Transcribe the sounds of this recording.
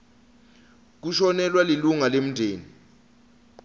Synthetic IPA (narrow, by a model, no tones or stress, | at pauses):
k̬uʃɔnɛlwaliluŋalem̩ndʱeːni